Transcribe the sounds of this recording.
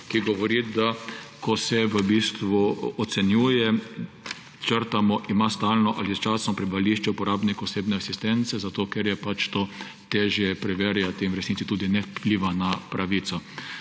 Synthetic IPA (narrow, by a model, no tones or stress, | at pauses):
kiɡɔʋɔɾiːd̪akʰɔsɛʋəbiːst̪ʋuɔt̪sɛnjuːjɛ | t͡ʃəɾt̪amɔʔimaːst̪aːlnɔʔalist͡ʃasnɔpɾɛbʋaliʃt͡ʃɛupɔɾaːbnikɔseːbnɛasist̪ɛnt̪sɛzat̪oːkɛɾjɛpat͡ʃt̪oː | t̪eːʒjɛpɾɛʋeːɾjat̪iimɾɛsnit̪sit̪uːd̪inɛwpliːʋanapɾʔaʋiːt̪sɔ